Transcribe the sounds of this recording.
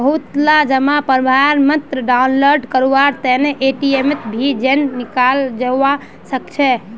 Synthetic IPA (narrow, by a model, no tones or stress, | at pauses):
bəɦut̪lad͡ʒəmapəɾbʱaɾmət̪ɾəɖaunloɾɖkəɾuʋaɾt̪ɛneʔeʈiemet̪bʱid͡ʒenːikald͡ʒeʋa | səkt͡ʃʰɛ